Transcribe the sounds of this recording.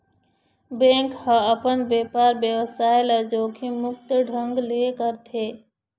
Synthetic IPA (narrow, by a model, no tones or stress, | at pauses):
bẽːŋkhə̃əpənbjeːpaɾbjəwəsaːelad͡ʒoːkʰimʊk̚t̪ɖʱə̃ŋɡlekəɾt̪ʰe